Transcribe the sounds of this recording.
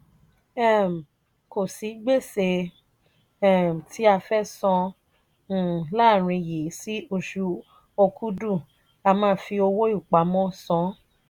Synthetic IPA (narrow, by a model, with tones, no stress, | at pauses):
ɛ˦˨m̩˨ | ko˨si˨˦ɡ͡be˦˨se˧ | ɛ˦˨m̩˨tʰi˦a˧fɛ˦sɔ̃˧˦˨ | la˦˨ɾ̃ĩ˧ji˨˦si˦o˧ʃu˧ | o˧kʰu˦du˦˨ | a˧mãː˦fi˧o˧wo˦i˦˨k͡pa˨˦mɔ̃˦sɔ̃˨˦